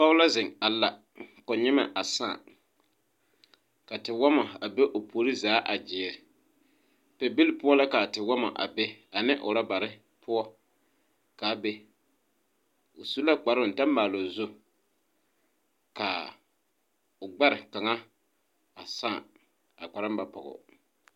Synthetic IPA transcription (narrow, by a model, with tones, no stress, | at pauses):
pa˦ʊ˦la˦zɪ˨ŋa˨la˨ | kɔ˨ɲɪ˦ma̰˨ʔa˨sa̰ː˦˨ | ka˨tɪ˨wɔ˦ma˨a˨be˦ʔo˨pʰoː˨˦ɾi˦zaː˨˦ʔa˨d͡ʒɪ˨ɛ˨ɾɪ˨ | pɛ˨bi˦lɪ˦pʊ˦ɔ˦la˦ka˨tɪ˨wɔ˦ma̰˨ʔa̰˨be˦a˨nɪ˦ʔʊ̰˨ɾa˦ba˨ɾɪ˦ | pʰʊ˦ɔ˦ | ka˨˦be˦ | o˨su˦la˦k͡pa˨ɾʊ˨n˨ta˦mːaː˨lo˨zʊ˦ | ka˨ | ʊ˨ɡ͡ba˦ɾɪ˨ka˨ŋa˦ | a˨sa˦˨ | a˨k͡pa˨ɾa˦m˦ba˨pɔ̰˨ɣɔ̰˨